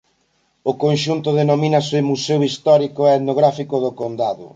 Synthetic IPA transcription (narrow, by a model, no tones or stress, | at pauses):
ʊkonʃunt̪ʊðenominɐsemusewist̪ɔɾikoɛt̪noɣɾafikʊðʊkond̪aðʊ̰